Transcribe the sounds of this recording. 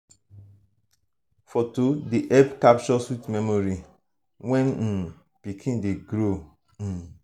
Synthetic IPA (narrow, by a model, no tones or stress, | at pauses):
fɔtodeʔɛbkap̚t͡ʃɔswitmɛmoɹi | wɛ̃n̩ | pikʰĩndeɡɾõ